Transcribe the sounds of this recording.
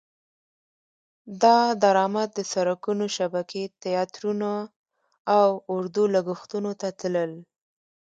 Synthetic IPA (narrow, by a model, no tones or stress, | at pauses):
d̪ɑd̪aɾɑmat̪̚d̪əsaɾakunoʃabakʰet̪ɪjɑt̪ɾuna | awʊɾd̪ulaɡuxt̪unot̪at̪ləl